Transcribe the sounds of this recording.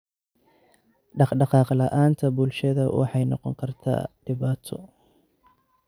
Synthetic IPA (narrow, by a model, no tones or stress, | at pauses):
ɖɑɖɑqɑːqlɐʔaːnt̪ʰɐbʊlʃɐðɐwɑ̰ħɑjnɔqɔ̰ŋkʰɐrt̪ʰa̰ːɖ̥ɪβaːt̪ʰɔ̰